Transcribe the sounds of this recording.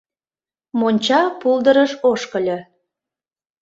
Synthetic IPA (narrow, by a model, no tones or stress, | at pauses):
monʲt͡ɕɑpulˠd̪əɾəʃoʃkəlʲɤ